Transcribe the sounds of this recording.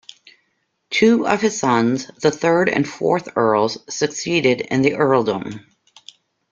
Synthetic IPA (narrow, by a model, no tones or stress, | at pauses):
tʰʉʌ̰v̥ɨz̥sʌ̃nzðəθɜ˞ɾɨ̰̃nfɔ̰ɹθɜ˞lˠz̥sɨksiɾɪɾɨ̰̃nðiʔɜ˞lˠdʊ̰̃m